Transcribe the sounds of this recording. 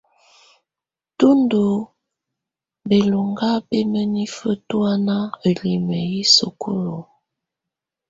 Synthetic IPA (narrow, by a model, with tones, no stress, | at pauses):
tu˦ndo˨ | be˨lo˨ŋɡa˦pe˦mə˦ni˦fə˦tu˦a˦na˦ə˨li˨mə˨ji˦so˨ku˦lo˨